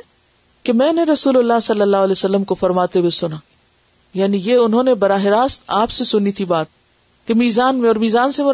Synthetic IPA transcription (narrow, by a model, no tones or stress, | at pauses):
kemɛ̃ːneɾɐsuːlʊlːaːɦsɐlːəlːaːɦʊlɛːsɐlːəmkofɐɾmaːt̪ewesʊnaː | jaːnijeʊnɦõːnebɐɾaːɦɪɾaːst̪aːpsesʊnit̪ʰibaːt̪̚ | kemiːzaːnmẽɔːɾmiːzaːnsemʊ